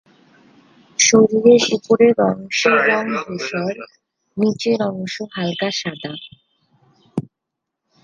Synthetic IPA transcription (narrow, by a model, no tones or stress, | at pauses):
ʃoɾieʃipuɾeɾɔŋʃoɾɔŋbʱoʃɔɾ | nit͡ɕeɾɔŋʃoɦalkaʃad̪a